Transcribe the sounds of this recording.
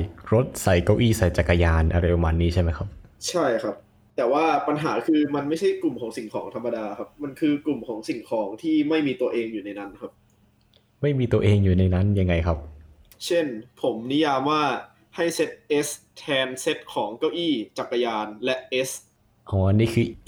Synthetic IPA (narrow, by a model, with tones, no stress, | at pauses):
ɾo˦˥t̪̚sa˩˦jka˥˩ʔiː˥˩sa˩˦jt͡ɕa˨˩kːa˧jaː˧nʔa˧ɾa˧jpa˧maː˧nːiː˦˥t͡ɕʰa˥˩jma˦˥jkʰa˦˥p̚t͡ɕʰa˥˩jkʰa˦˥p̚ | t̪ɛː˨˩waː˥˩pa˧nɦaː˩˦kʰɯː˧ma˧nma˥˩jt͡ɕʰa˥˩jklu˨˩mkʰɔː˩˦ŋsi˨˩ŋkʰɔː˩˦ŋt̪ʰa˧mːa˧daː˧kʰa˦˥p̚ma˧nkʰɯː˧klu˨˩mkʰɔː˩˦ŋsi˨˩˦ŋkʰɔː˩˦ŋt̪ʰiː˥˩ma˥˩jmiː˧t̪u˧ɐʔeː˧ŋjuː˨˩na˧jna˦˥nkʰa˦˥p̚ | ma˥˩jmiː˧t̪u˧ɐʔeː˧ŋjuː˨˩na˧jna˦˥nja˧ŋːa˧jkʰa˦˥p̚ | t͡ɕʰe˥˩npʰo˩˦mni˦˥jaː˧mwaː˥˩ | ha˥˩jse˦˥t̪̚ʔe˦˥st̪ʰɛː˧nse˦˥t̪̚kʰɔː˩˦ŋka˥˩wʔiː˥˩t͡ɕa˨˩kːa˧jaː˧nlɛ˦˥ʔe˦˥s | ʔɔː˧˦niː˥˩kʰɯː˧